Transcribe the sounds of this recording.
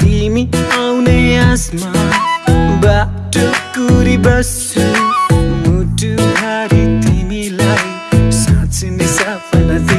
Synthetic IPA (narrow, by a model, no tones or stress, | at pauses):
t̪imiawneasma | ba | ʈokuɾibʌst͡sʰu | muʈuɦaɾit̪imilaj | sãt͡sʰinesapʰʌnat̪i